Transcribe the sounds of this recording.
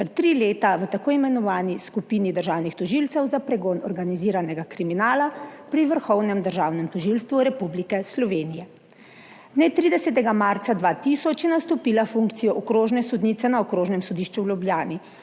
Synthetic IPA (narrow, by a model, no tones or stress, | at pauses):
pɾɛt̪ːɾileːt̪aʋət̪akoːimɛnɔʋaːniskupinid̪əɾʒaːwnixt̪ɔʒilt̪sɛwzapɾɛɡoːnɔɾɡaniziːɾanɛɡakɾiminaːlapɾiʋəɾxɔwnɛmd̪əɾʒaːwnɛmt̪ɔʒilst̪ʋuɾɛpublikɛslɔʋeːnijɛ | nɛt̪ɾiːd̪ɛsɛt̪ɛɡamaɾt̪sad̪ʋaːt̪isɔt͡ʃjɛnast̪ɔpiːlafuŋkt̪sijɔʔɔkɾoːʒnɛsɔd̪nit̪sɛnaɔkɾoːʒnɛmsɔd̪iʃt͡ʃuwlʲubljaːni